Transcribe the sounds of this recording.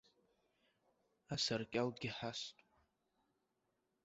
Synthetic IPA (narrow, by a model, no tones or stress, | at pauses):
asarkʲʼalɡʲɪħastʷʼ